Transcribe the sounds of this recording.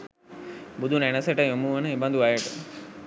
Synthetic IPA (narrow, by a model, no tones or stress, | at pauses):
bud̪ʱunenəsəʈəjomuʋənəebɐnd̪uajeʈə